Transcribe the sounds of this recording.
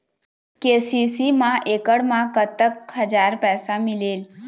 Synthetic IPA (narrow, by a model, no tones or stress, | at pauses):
kesisimãʔekəɽmãkət̪əkɦəd͡ʒaɾpɛːsamileːl